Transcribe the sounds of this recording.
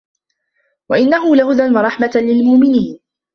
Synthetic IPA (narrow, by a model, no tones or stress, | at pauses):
waʔɪnːaɦʊlahʊðanwɑɾˤɑħmalɪlmʊʔmɪniːn